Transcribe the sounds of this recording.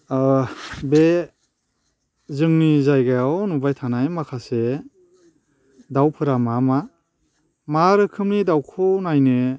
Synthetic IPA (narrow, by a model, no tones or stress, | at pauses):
be | zɯŋnizajɡajawnubajtʰanajmakʰase | dawpʰɯɾamama | maɾɯkʰɯmnidawkʰɔnajnɯ